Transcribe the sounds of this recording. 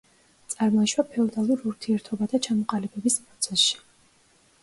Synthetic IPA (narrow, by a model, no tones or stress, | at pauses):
t̪sʼaɾmaʃwapʰɛɔd̪alˠuɾuɾt̪ʰiɛɾt̪ʰɔbad̪at͡ʃʰamɔqʼalibɛbispʼɾɔt̪sʰɛsʃi̥